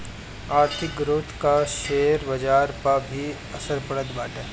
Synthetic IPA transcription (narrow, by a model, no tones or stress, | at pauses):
aːɾt̪ʰɪk̚ɡɾoːt̪kaʃeːɾbɐd͡ʒaːɾpabʱi | ɐsəɾpəɽət̪baːʈeː